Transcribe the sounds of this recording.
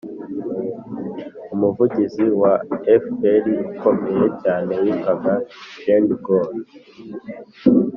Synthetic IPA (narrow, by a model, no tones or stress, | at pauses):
umuvuɟiziwaefpelikomejecaːne̞wikaɡaʒendɡol